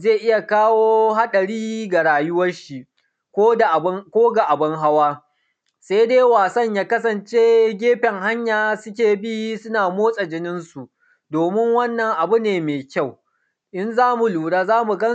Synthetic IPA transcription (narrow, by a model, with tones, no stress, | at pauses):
zeː˦˨ʔɪ˦ja˨kaː˦woː˦ɦa˦ɗɐ˨ɾiː˦ɡa˨ɽaː˨jʊ˦wɐ˦rʃi˦ | kʷoː˦da˨˦kʷoː˦ɡa˨ʔa˨bɐ˦ŋɦa˦waː˦ | sa˦jdeː˦waː˨sɐ˦ɲjaː˦kɐ˦s̬ɐ˨nt͡ʃeː˦ɡʲeː˦ɸɛ˨ŋɦa˦ɲjaː˨sʊ˦k̬ʲeː˨bi˦sʊ˦naː˨moː˦sʼɐ˨d͡ʒɪ˦nɪ˦nsu˨ʔ | doː˨mɪ˦ŋwɐ˦nːɐ˨ŋʔa˨bu˦neː˨meː˨kʲa˦˨w | ʔɪ˦nzaː˦mu˨luː˨ɽaː˦zaː˦mu˨ɡɐ˦